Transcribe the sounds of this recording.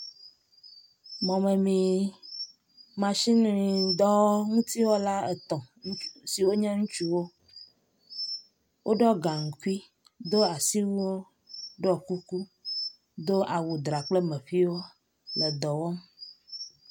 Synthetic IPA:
mɔ̃˨mɛ̃˨mĩ˨ | mã˨ʃi˦nũ˦i˨d̪ɔ˦ŋũ˦t̪i˦wo˦la˦e˨t̪ɔ̃˨ŋ˦si˨wo˦ɲɛ̃˦ŋũ˦t͡ʃu˦wo˦ | wʔo˦ɖɔ˦ɡa˨ŋ̩˨ku˦i˦ | d̪o˦a˨si˦wu˦wo˦ | ɖɔ˦˨ku˦ku˦ | d̪o˦ʔa˨wu˨d̪ɾa˨k͡plə˦mɛ̃˨ɸi˦wo˦ | lə˨d̪ɔ˨wɔ˦m

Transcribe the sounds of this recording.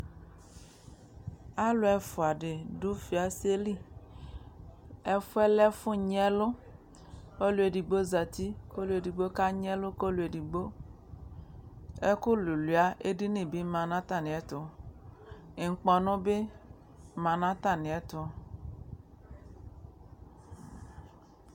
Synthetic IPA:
a˦lʊ˨ɛ˨fʊ˨a˨ɖe˨dʊ˦fi˨a˨se˦li˦ | ɛ˦fʊ˦ɛ˦lɛ˦fʊ̃˦ɲ˦ɛ˦lʊ˦ | o˦lu˨e˨ɖi˨ɡ͡bo˦za˨t̪i˦ko˦lu˨e˨di˨ɡ͡bo˦ka˦ɲ˦ɛ˦lʊ˦ko˦lu˨e˨di˨ɡ͡bo˦ | ɛ˦ku˦lu˨li˨a˦ʔe˦di˦nĩ˨bi˦mã˨nã˦t̪a˨nĩ˨ɛ˨t̪ʊ˨ | ŋ̩˨k͡pɔ˨nɔ̃˦be˦ | mã˨nã˦t̪a˦nĩ˨ɛ˦t̪ʊ˨

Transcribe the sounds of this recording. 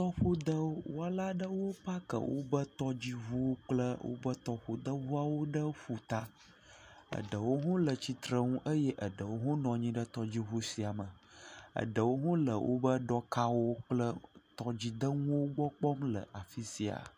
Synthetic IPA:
t̪ɔ˦ɸo˦d̪ə˦wo˦a˨la˦ɖə˦wo˦pa˦kə̰˨wʔo̰˦bə˦t̪ɔ˦d͡ʑi˦ɦu˦wo˦k͡plə˦wo̰˦bə˦t̪ɔ˦ɸo˨d̪ə˦vu˦a˨wo˦ɖə˦ɸu˨t̪a˦ | ə̰˨ɖə˨wo˦ɦõ˦lə˨t͡ɕi˨t̪ɾə˦ŋũ˦ʔə˦jɛ˦ʔə˨ɖə˨wo˦ɦõ˦nɔ̃˨ɲĩ˦ɖə˦t̪ɔ˨d͡ʑi˦ɦu˦si˨a˨mə˨ə̰˨ɖə˨wo˦ɦõ˦lə̰˨wʔo̰˦bə˦ɖɔ˦ka˦wo˦k͡plə˦t̪ɔ˦d͡ʑi˨d̪ə˦ŋũ˦wo˦ɡ͡bɔ˦k͡pɔ˦mlə̰˨ʔa˨fi˦si˨a̰˨

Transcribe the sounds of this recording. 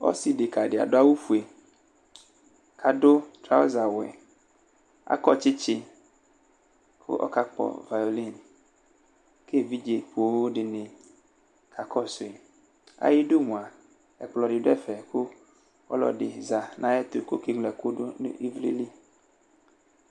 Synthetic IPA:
ɔ̰˦si˨dɪ˨ka˨ɖɪ˨a̰˨dʊ˦a˦wu˦fu˨e˨ | kʰa˨dʊ˦t̪ɾa˦o̰˦za˨wɛ̰˨ | a̰˨kɔ˦t͡ʃɪ˦t͡ʃɪ˦ | kʰʊ̰˦ʔɔ̰˦ka˦k͡pɔ̰˨va˨jo˨li˦˨n | kʰe˦˨vi˦d͡ʒe˨pʰu˨o˨˦wo˦dɪ˨nɪ̃˨ | kʰa˨kʰɔ˦sʊ˨e˨ | a̰˨jɪ˦do˦mũ˨a˨ | ɛ˨k͡plɔ˨dɪ˨dʊ˦ɛ˦fɛ˨kʰʊ˦ | ɔ̰˦lɔ̰˨dɪ˨za˨nʔã˦ɛ˦t̪ʊ˨ko̰˦kɪ˦ɡ͡blɛ˨kʊ˦dʊ˦n̰˦i˦vlḭ˦li˦

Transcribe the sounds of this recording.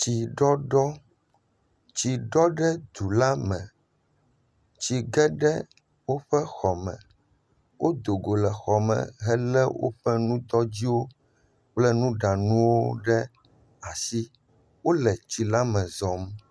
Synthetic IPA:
t͡ɕi˨ɖɔ˦ɖɔ˦ | t͡ɕi˨ɖɔ˦ɖɛ˦d̪u˨la˦mɛ̃˨ | t͡ɕi˨ɡɛ˦ɖɛ˦ | wo˦ɸɛ˦xɔ˨mɛ̰̃˨ | wʔo˦d̪o˨ɡo˨lɛ˨xɔ˨mɛ̰̃˨ɦɛ˦lɛ˦wʔo̰˦ɸɛ˦nũ˦d̪ɔ˦d͡ʑi˦wo˦ | k͡plɛ˦nũ˦ɖa˨nũ˦wo˦ɖɛ˦ | a˨si˦ | wo˦lɛ˨t͡ɕi˨la˦mɛ̃˨zɔ˨m

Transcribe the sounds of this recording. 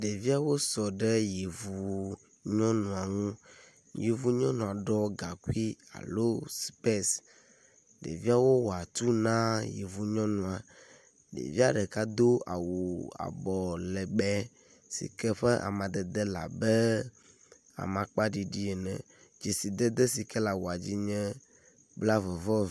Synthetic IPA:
ɖe˨vi˦a˨wo˦sɔ˨ɖɛ˦je˨vu˨ | ɲɔ̃˦nũ˨a˨ŋũ˦ | je˨vu˨ɲɔ̃˦nũ˨a˨ɖɔ˦ɡa˨ku˦i˦a̰˨lo˦spe˦s | ɖḛ˨vi˦a˨wo˦wo˨a˨t̪u˦nã˦jḛ˨vu˨ɲɔ̃˦nũ˨a˨ | ɖḛ˨vi˦a˦ɖɛ˨ka˦d̪o˦a̰˨wu˨a̰˨bɔ˨lɛ˨ɡ͡bɛ˦ | sḭ˨kɛ˦ɸɛ˦ʔa̰˨mã˨d̪ɛ˨d̪ɛ˦la̰˨bɛ˦ | a̰˨mã˨k͡pa˦ɖi˨ɖi˦e˨nɛ̰̃˨ | d͡ʒi˨si˨d̪ɛ˦d̪ɛ˦si˨kɛ˦la˨wo˨a˨d͡ʑi˦ɲɛ̃˦ | bla˦vɛ˨vɔ˦

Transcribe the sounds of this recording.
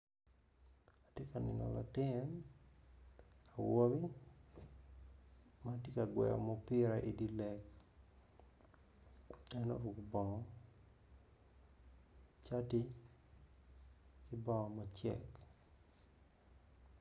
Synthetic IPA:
atɪ˦ka˨nɪ̰˨nɔ̰˨la̰˨tɪ˦n | a˨wo˦mi˦ | mati˦ka˨ɡwɛ̰˨jɔ̰mɔpɪ˦ɾaʔi˨di˦lɛk | ɛ˦nɔ̰˦ɾwu˨kbɔ˨ŋɔ | t͡ʃa˦tɪ˦ | kɪbɔ˦ŋɔ˨mat͡ʃɛ̰k

